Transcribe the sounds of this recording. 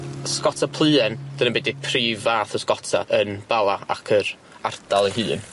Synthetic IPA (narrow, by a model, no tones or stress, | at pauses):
skɔtʰapʰlˠɨːɛnd̥ənəmbɛdipʰriːvaːθəskɔtʰa̰ʔənb̥alˠaa̰kʰəɾ | ardalˠiɦɨːn